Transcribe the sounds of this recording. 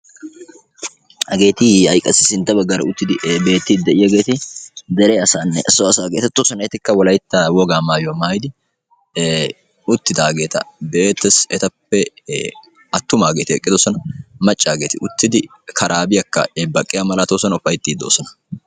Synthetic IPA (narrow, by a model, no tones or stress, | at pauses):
hɐɡe̞ːt̪ɪhɐjkʼɐsɪsɪnt̪ːɐbɐɡːɐɾɐ̰ʊt̪ːɪd̪ɪbe̞ːt̪ːɪd̪d̪ɛʔɪjɐɡe̞ːt̪ɪd̪ɛɾɛɐsaːnːɛʔɛsːɔɐsaːɡeːt̪ɛt̪ːɔsɔnɛɛt̪ɪkːɐwɔlɐjt̪ːɐwɔɡaːmaːjwmaːjɪd̪ɪ | ʊt̪ːɪd̪aːɡe̞ːt̪ɐbɛʔe̞ːt̪ːɛsɛt̪ɐpːɛ | ɐt̪ːʊmaːɡeːt̪ɪɛkʼːɪd̪ɔsɔnɐmɐt͡ʃʼːaːɡe̞ːt̪ɪʊt̪ːɪd̪ɪ | kʰɐɾʔaːbɪjɐkːɐ̰ɛbɐkʼːɪjamɐlɐt̪oːsɔnʊfːɐjt̪ːiːd̪oːsɔnɐ̥